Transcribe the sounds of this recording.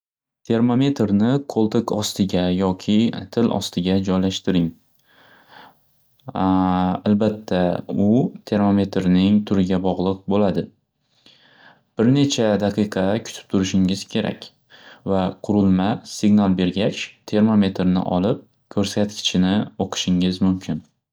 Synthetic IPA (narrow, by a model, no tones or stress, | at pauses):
t̪ʰe̞ɾmome̞t̪ɾnɪkʰolˠt̪ekʰɒst̪ɪɡʲajɒkʲʰɪt̪ʰɪlʔɒ̰st̪ʰɪɡʲad͡ʒɒjlaʃt̪ɪɾɪŋ | albat̪ʰːaʊt̪ʰe̞ɾmo̞me̞t̪ɾnɪŋt̪ʰʊɾɪɡʲabɒʁlˠɨq̚bolad̪ɪ | b̥ɪɾne̞t͡ʃʰad̪ɑqʰɨjqʰɑkʰʊ̥t̪ʰɪ̥p̚t̪ʰʊɾɪʃɪŋɪz̥kʲʰe̞ɾʔa̰kʲ | vaqʰʊɾɪlˠmasɪɡnalˠbe̞ɾɡʲat͡ʃt̪ʰe̞ɾmome̞t̪ʰɾnɪ̰ʔɒ̰lɪp̚ | kʲʰɵɾsat̪kʲʰɪ̥t͡ʃʰɪnɪoqʰɨ̥ʃɪŋɪzmʊmkʲʰɪn